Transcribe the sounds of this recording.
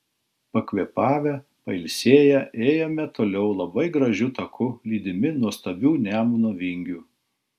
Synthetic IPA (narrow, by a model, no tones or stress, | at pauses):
pɐkʲʋʲiɛpɑːʋʲɛ | pɐɪlʲsʲeːjɛʔeːjoːmʲɛt̪oːlʲɛʊlˠɐbɐɪɡɾɐʒʲʊt̪ɐkʰʊlʲiːd̪ʲɪmʲɪnuɔst̪ɐbʲuːnʲæːmunoːʋʲɪŋʲɡʲuː